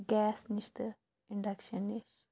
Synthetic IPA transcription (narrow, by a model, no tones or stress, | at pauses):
ɡɛːsniʃt̪ɨ | iɳɖɐkʃɐniʃ